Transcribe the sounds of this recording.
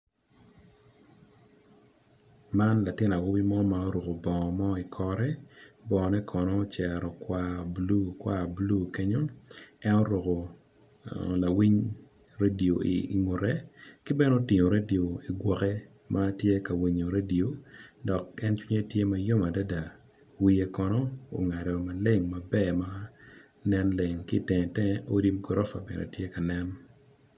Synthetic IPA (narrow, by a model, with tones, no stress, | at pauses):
ma˦nla˨tɪ˦na˨wo˦bi˦mɔ˦ma˨o˦ɾo˨ko˨bɔ˨ŋɔ˨mɔ˦i˨kʰɔ˦ɾɛ˦bɔ˨nɛ˦kʰɔ˨nɔ˦t͡ʃɛ˨ɾɔ˨kwa˦blu˦kwa˦blu˦ke˦ɲo˦ɛ˦no˦ɾo˨ko˨ | la˨wi˦ɲ | ɾe˦di˨o˨i˨ŋʊ˨ɾɛ˦kɪ˦bɛ˦no˦tɪ˨ɲo˨ɾe˦di˨o˨i˨ɡwɔ˨kɛ˦ | mʔa˦tje˦ka˨wi˨ɲo˨ɾe˦di˨o˨dɔ˨kɛ˦nt͡ʃwi˦ɲe˦tje˦ma˨jo˦ma˨da˦da˨ | wi˦je˦kɔ˦nɔ˦o̰˨ŋa˨dɔ˨ma˨le˦˨ŋma˨bɛ˦ma˦ | nɛ˦nle˨ŋkɪ˦˨tɛ˨ŋ˨tɛ˦ʔo˦di˦mɡo˨ɾɔ˦fa̰˨bɛ̰˨no̰˨tje˦ka˨nɛ˦n